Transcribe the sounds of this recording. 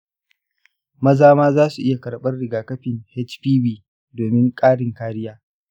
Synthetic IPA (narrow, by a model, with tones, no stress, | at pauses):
mɐ˦zaː˦maː˦zaː˦su˨ʔɪ˦ja˨kɐ˨ɽɓɐ˦rɽɪ˨ɡaː˨kɐ˦ɸɪ˨ŋhɛ˦t͡ʃɸiː˦biː˨ | doː˨mɪ˦ŋkʼaː˦ɽɪ˨ŋkaː˦ɽɪ˦jaː˦